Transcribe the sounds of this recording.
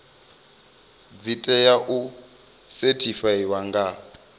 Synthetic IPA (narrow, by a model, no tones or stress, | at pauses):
d͡zitʼɛjaʔu | sɛtʰifaiwaŋɡa